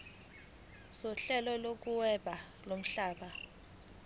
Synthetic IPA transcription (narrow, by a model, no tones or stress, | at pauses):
sɔɬɛlɔlok̬uwɛɓʱalom̩ɬaːɓa